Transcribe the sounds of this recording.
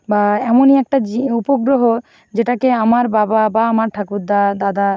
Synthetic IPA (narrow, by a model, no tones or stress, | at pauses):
baɛmoniɛk̚ʈad͡ʑiupoɡɾoɦo | d͡ʑeʈakeamaɾbababaamaɾʈʰakuɾd̪ad̪ad̪a